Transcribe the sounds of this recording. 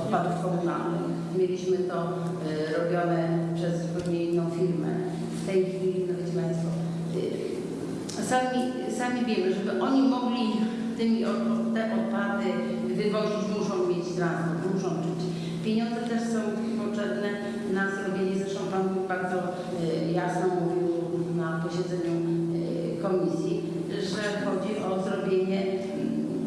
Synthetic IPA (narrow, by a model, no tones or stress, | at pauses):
ɔt̪̚pad̪ufkɔbuna̰lnɪ̰xmʲjelʲiɕmɘt̪ɔ | ɾɔbʲjɔnɛpʂɛzpɛwɲejinːɔ̃w̃fʲiɾmɛ̰ | ft̪ɛjxʲfʲilʲinabɛt͡ɕmɛnsɔ | samʲi | samʲivʲjɛmɘʐɛbɘʔɔɲimɔɡlʲi | t̪ɘmʲiɔɔt̪ɛmɔt̪̚pad̪ɘ | vɘvɔʑid͡ʑd̪uʐɔ̃w̃mʲjed͡ʑzɾazɛmuʂɔ̃w̃tɘt͡ɕ | pʲjeɲɔnd̪zɛt̪ɛʂsɔ̃w̃t̪akʲpɔtɛbnɛ | nazɾɔbʲjeɲɛszvɛʂt̪ɔ̃w̃panbaɾd̪zɔ | jasnɔmuvʲiwnapɔɕɛd̪zɛɲu | kɔmʲisʲji | ʐɛxɔd͡ʑiʔɔzɾɔbʲjeɲɛ